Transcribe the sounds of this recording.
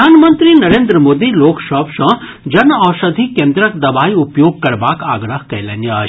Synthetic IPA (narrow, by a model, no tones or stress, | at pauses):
aːnmənt̪ɾinɐɾẽːnd̪ɾəmoːd̪iloːkʃɔːpʃɐ̃ | d͡ʒɐnɔːʃɐd̪ʱikẽːnd̪ɾɐkd̪ɐbaːiʊpjoːɡ̚kɐɾbaːka̰ːɡɾəɦkɐjlenjɐa